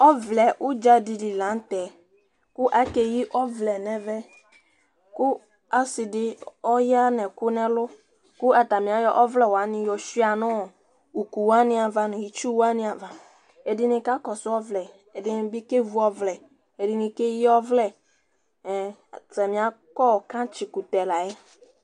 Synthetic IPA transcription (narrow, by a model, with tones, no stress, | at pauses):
ɔ˦vlɛ˨ʔʊ˦d͡ʒa˦di˨dɪ˨lã˨˦tɛ˨ | kʊ˦ʔa˦ke˨ji˦ʔɔ˦vlɛ˨nɛ̃˨vɛ˦ | kʊ˦ | a˨sɪ˨dɪ˦ɔ˦ja˦nɛ̃˨kʊ˦nɛ̃˦lʊ˦ | kʊ˦a˨ta˨mɪ̃˨a˦jɔ˦ʔɔ˦vlɛ˨wɔ˨a˨˦nɪ̃˦jɔ˨ʃi˦a˨nɔ̃˦˨ | u˨ku˨wa˦nɪ̃˦a˨va˨nʊ̃˨ji˦t͡ʃu˦wa˦nɪ̃˦a˨va˨ | e˨dɪ˦nɪ̃˨ka˦kɔ˨sʊ˦ɔ˦vlɛ˨ | ɛ˨dɪ˦nɪ˨bi˦ke˦vu˦ɔ˦vlɛ˨ | e˨dɪ˨nɪ̃˨ke˦ji˦ɔ˦vlɛ˨ | tɛ˨mɪ̃˨a˨˦kɔ˦˨kã˦t͡ʃɪ˨ku˨tɛ˨la˨ɛ˦